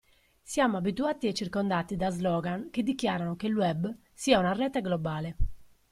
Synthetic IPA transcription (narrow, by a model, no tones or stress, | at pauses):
sjaːmoabit̪uaːt̪iɛt͡ʃːirkond̪aːt̪id̪azlɔːɡanked̪ːikjaːɾanokeluɛb | siːaunarɛːt̪aɡlɔbaːle